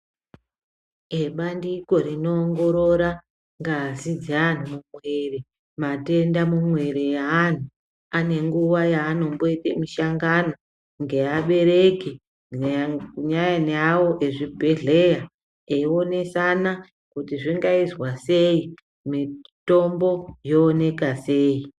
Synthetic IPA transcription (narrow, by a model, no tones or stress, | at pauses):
eɓandiko̞rino̞ːŋɡo̞ɾo̞ɾa | ŋɡazid͡zan̤umumwe̞re | mate̞ndamumwe̞ɾejaːn̤u | ane̞ŋɡuʋajaːno̞mbo̞itemiʃaŋɡano | ŋɡe̞aɓe̞ɾe̞ki | ɲajanawo̞ʔeʐibʱe̞ɮe̞ja | eio̞ne̞sana | kutiʐiŋɡaizwase̞i | mito̞mbo̞jo̞ːne̞kase̞ːji